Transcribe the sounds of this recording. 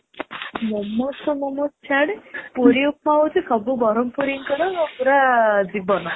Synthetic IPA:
mɔmɔsɔmɔmɔst͡ʃʰaɽepuɾiupmaut͡sʰikʰɔbubɔɾɔmpuɾiŋkɔɾɔŋɔpuɾad͡zibɔnɔ

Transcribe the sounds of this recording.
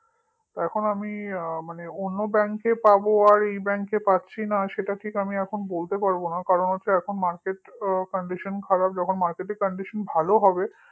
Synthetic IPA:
t̪oɛkʰonamimaneonːobɛŋkepaboaɾejbɛŋkepatːɕʰinaʃeʈaʈʰikamiɛkʰonobolt̪epaɾbonakaɾonɦotːɕʰeɛkʰonmaɾkeʈkɔɳɖiʃonkʰaɾab̚d͡ʑɔkʰonmaɾkeʈeɾkɔɳɖiʃonbʱaloɦɔbe

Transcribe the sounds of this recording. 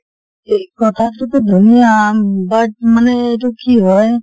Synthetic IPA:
ekɔt̪ʰak̪ɾuped̪ʱunijabaʈ̚maneeʈukiɦɔe

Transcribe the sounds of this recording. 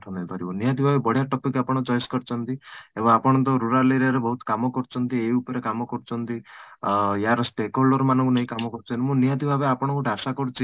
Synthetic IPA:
ʈʰɔnejpaɾibɔnijat̪d̪ibʱabebɔɽ̤jaʈɔpikapɔɽ̃ɔd͡ʒɔjskɔɾt͡ʃʰɔnt̪iebɔŋapɔɽ̃nt̪ɔɾuɾaɾleɾaɾebɔɦut̪ɔ̥kamɔkɔɾt͡ʃʰɔnt̪ieiupɔɾekamɔkɔɾut͡ʃʰɔnt̪i | jaɾɔsʈekɦolɔɾɔmanɔ̃ŋkuneɦĩkamɔkɔɾut͡ʃʰɔnt̪imũnijat̪ibʱabeapɔɽ̃ɔŋkuɖʱasakɔɽut͡ʃʰi

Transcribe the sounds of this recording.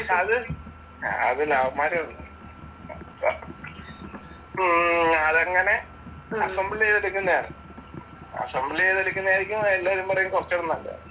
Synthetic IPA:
ɐðɨ | ɐ̰ðɨlaʋɐmaːɾiuɳːɨ | ɐðɐŋːɐne̞ | ɐsɐmbileːðeɽukʲːunːɐjaːnɨ̰ | a̰sɐmbileːðeɽukʲːunːjaːɾikʲːunːɐelːaːʋɐɾumpɐrɐjumkort͡ɕːɐɽunːɐlːa̰

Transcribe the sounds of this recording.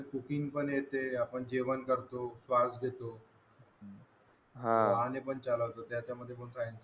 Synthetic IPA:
kukiŋpəɳjet̪eapəɳd͡ʑeʋənkəɾt̪osʋad͡zɡʱet̪o | ɦãanepəɳt͡saləʋt̪ot̪jat͡ɕjaməd̪ʱːjep̬onsajent͡sə

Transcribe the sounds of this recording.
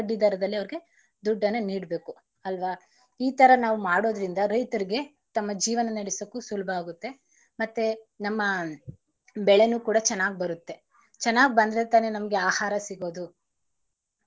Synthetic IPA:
ɖːid̪ɐɾɐd̪ɐlːiɐʋɐɾiɡe̞ | d̪uɖːɐneniːɽbe̞ːku | ɐlʋaː | iːt̪ɐɾɐnaːʋumaːɽo̞ːd̪ɐɾind̪ɐɾɐjt̪ɐɾiɡe̞ | t̪ɐmːɐd͡ʒiːʋɐnɐnɐɽisɐkːusulbʱɐaːɡut̪ːe̞ | mɐt̪ːe | nɐmːɐ | bɛɭe̞nuːkuːɽɐt͡ʃɛnːaːɡibɐɾut̪ːe̞ | t͡ʃɛnːaːɡibɐnd̪ɾet̪aːne̞nɐmɐɡe̞aːhaːɾɐsiɡo̞ːd̪u

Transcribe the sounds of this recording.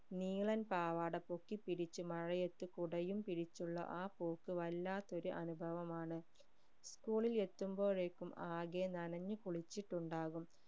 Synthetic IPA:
niːɭɐnpaːʋaːɽɐpo̞kːipiɽit͡ɕːumɐɻɐje̞t̪ːukuɽɐjumpiɽit͡ɕːuɭːɐ̰ʔaːpoːkːɨʋɐlːaːt̪ːo̞ɾuʔɐnubʱɐʋɐmaːɳɨ | skuːɭile̞t̪ːumbo̞ːɻe̞ːkːumaːɣenɐnɐɲːukuɭit͡ɕːiʈːuɳɖaːɣum

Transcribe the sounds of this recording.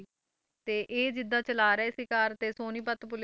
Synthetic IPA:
t̪eːʔeːd͡ʒɪd̪ːãːt͡ʃəlaːɾɛːsɪkaːɾt̪eːsoːniːpət̪pʊl

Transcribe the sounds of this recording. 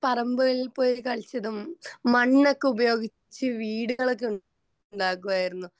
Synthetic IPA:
pɐrɐmbɐɣɐɭilpo̞ːjikɐɭt͡ɕːɐðɨmmɐɳːɐkːɨubɐjo̞ːɡi | t͡ɕːɨʋiːɽuɣɐɭok̬ːu | ɳɖaːkːuʋaːjiɾunːu

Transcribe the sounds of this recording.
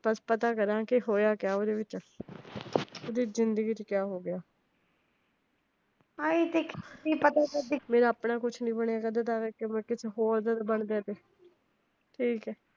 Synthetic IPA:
bəspət̪aːkəɾãːkɪɦoːjaːkɪjaːoːd̪eːʋɪt͡ʃ | oːd̪iːzɪnd̪əɡiːt͡ʃkjaːɦoːɡɪjaː | ait̪ekʰiːpət̪aːkəɾd̪imeːɾaːəpnaːkʊt͡ʃʰnĩːbəɳeaːkəd̪ət̪aːkɛkɪmɛ̃ːkɪsʰɦoːɾd̪aːt̪ːbəɳd̪eːt̪eː | ʈʰiːkɛː

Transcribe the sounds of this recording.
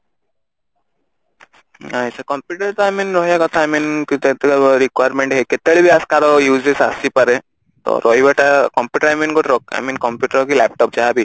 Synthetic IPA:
ajsakɔ̃mpjuːʈəɾt̪ɔaminɾɔɦjakɔt̪ʰaaminkut̪et̪ɾikwajɾmẽɳʈɦeket̪eɭibʱiaskaɾɔjuːzesasipəɾe | t̪ɔ̰ɾʔɔɦibɛʈakɔmpjuʈəɾaminɡɔʈɾɔka̰jminkɔmpjuːʈəɾɔkilɛp̚ʈɔp̚d͡ʒaɦabʱi

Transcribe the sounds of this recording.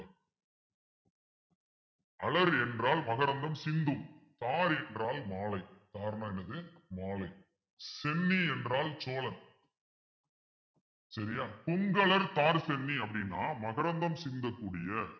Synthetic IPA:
ɐlɐɾɛndraːlmɐɣɐɾɐnd̪ɐmsɪnd̪ɯmt̪aːɾɛndraːlmaːlɐɪt̪aːɾɐnãɛnɐðɯmaːlɐɪ | sɛnːiɛndraːlt͡ʃoːlɐn | sɐɾɪjaːpʊŋɡɐɭɐɾt̪aːɾsɛnːiɐpːɐɽɪnːa̰ːmɐɣɐɾɐnd̪ɐmsɪnd̪ɐkːuːɽɪjɐ

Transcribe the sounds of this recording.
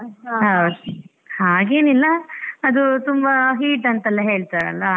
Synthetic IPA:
ɦɐw | haːɡe̞ːnilːɐːd̪ut̪umbɐɦiːʈɐnt̪ɐlːɐɦe̞ːɭt̪aɾɐ̰lːɐ

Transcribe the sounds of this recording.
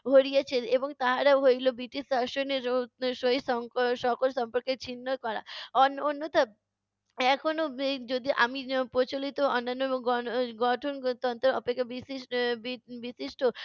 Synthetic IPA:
bʱoɾijet͡ɕʰeeboŋt̪aɦaɾaɦojlobiʈisaʃoneʃoisɔŋʃɔkolʃɔmpoɾket͡ɕʰinːokɔɾa̰ɔnonːot̪a | ɛkʰonod͡ʑod̪iʔa̰mipɾot͡ɕolit̪oɔnːanːoɡɔɡɔʈʰont̪ɔnt̪oɾɔpekʰːabisibibisiʃʈo

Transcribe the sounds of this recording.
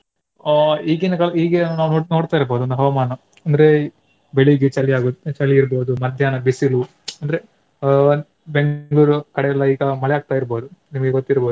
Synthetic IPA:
iːɡinɐkɐɭiːɡenaːʋnoːnoːɖt̪aːiɾboːd̪uɐnd̪ɐɦɐʋɐmaːnɐ | ɐnd̪ɐɾe̞ | beɭiɡet͡ʃɐlːiaːɡut̪ːt͡ʃɐliːɾboːd̪umɐd̪ʱjaːnɐbisilu | ɐnd̪ɐɾe | be̞ŋɡɡɭuːɾukɐɽɛɛlːɐiːɡɐmɐɭɛaːɡ̚t̪aːiɾboːd̪unimɐɡeɡot̪ːiɾboːd̪u

